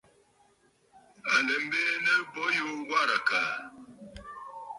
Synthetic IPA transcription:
a˨lə˨m̩˦bɛ˦nə˦bɔ˨˦jo˦ɡwa˦˨ɾa˨kaː˨

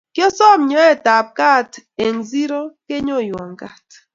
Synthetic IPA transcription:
kjɔ˦sɔ˦˨mɲɔ˨˦ɛ˦˨ta˨p̚ka˦˨te˨ŋzi˦ɾɔ˦ke˦ɲo˦˨jwɔ˨ŋka˨t

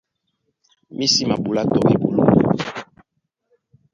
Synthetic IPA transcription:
mi˦si˦ma˨bu˨la˦tɔ˨be˨bo˨lo̰˦˨

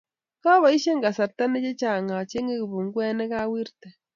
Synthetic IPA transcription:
ka˦βa˨i˦ʃe˦ŋɡa˨sa˨ɾt̪a˦ne˦t͡ʃe˦t͡ʃa˨ŋa˨t͡ʃe˦ŋe˦˨βu˨ŋɡwe˦ne˦ɣa˦wi˦ɾt̪e˨

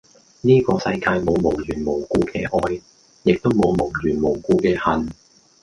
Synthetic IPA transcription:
niː˥kɔː˧sɐ˧jkaː˧jmo˨˧wmo˨˩wjyː˨˩nmo˨˩wkuː˧kʰɛː˧˩ʔɔː˧j | jɪ˨k̚t̪o˥wmo˨˧wmo˨˩ŋjyː˨˩nmo˨˩wkuː˧kɛː˧hɐ˨n

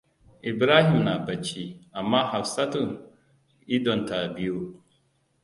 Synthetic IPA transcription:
ʔi˨bɾaː˦hi˨mna˨bɐ˨t͡ʃːi˦ʔa˨mːaː˦ha˨fsa˦tu˨ŋ | i˦dɔ˨nta˨bi˦ju˦

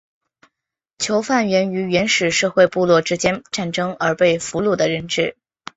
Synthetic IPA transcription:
t͡ɕʰjo˧˥ʊfa˥˩nɥɛ˧˥ny˧˥ɥɛ˧˥nʂɻ̩˨˩ʂɤ˥˧xwe˥˧ɪpu˥˧lwɔ˥˩ʈ͡ʂɻ̩˥t͡ɕjɛ˥nʈ͡ʂa˥˩nʈ͡ʂɤ˥ŋə˞˧˥pe˥˩ɪfu˧˥lu˥˩d̪ə˩ɻə˧˥˧nʈ͡ʂɻ̩˥˩

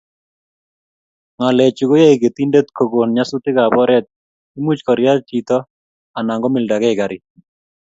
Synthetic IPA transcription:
ŋa˨lɛ˨t͡ʃu˨ɡo˦ja˦i˨ke˨t̪i˦nde˦t̪kʰo˨ɡo˨nɲa˦su˦t̪ɪ˦ka˨bɔ˦ɾɛ˦t̪̚ | i˦mu˦t͡ʃkɔ˨ɾja˦ti˨t̪ɔ˦ | a˨na˨ŋɡɔ˦mɪ˨lda˨ɡɛ˦ɪɡa˨ɾɪ˨

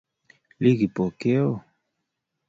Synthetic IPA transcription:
li˦ɡi˨po˨ke˦o˦˨

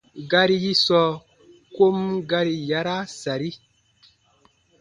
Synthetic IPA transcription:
ɡa˦ɾi˦ji˦sɔː˧˦ | ko˦mɡa˦ɾi˧ja˦ɾa˦sa˨ɾi˦

